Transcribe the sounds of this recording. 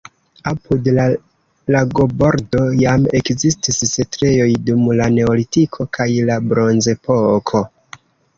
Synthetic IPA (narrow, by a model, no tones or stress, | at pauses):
apudl | laɡo̞bo̞ɾdo̞jame̞kzistisːetɾe̞jo̞jdumlane̞olitikʰo̞kʰajlabɾo̞nze̞po̞kʰo̞